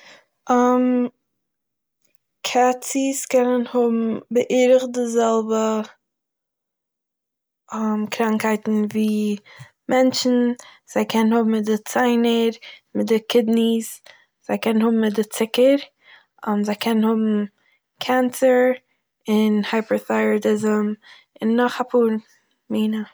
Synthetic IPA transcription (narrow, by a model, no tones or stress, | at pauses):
am | kʰɛt͡siskɛnənhʊbm̩bɪʔiɾɪχdɪzɛlˠbə | amkɾaŋkhaɪtn̩viː | mɛnt͡ʃn̩ | z̥aɪkʰɛnnhʊbm̩ɪt̚dɪt͡saɪnəɾmɪt̚dɪkʰɪdnis | z̥aɪkɛnən̩hʊbm̩mɪtdɪt͡sɪkəɾ | ʊnzaɪkʰɛnənhʊbm̩ | kʰɛnt͡səɾ | ɪnhaɪpəɹθaɪətɪzəm | ɪnːɔχapʰuːɾ | miːnə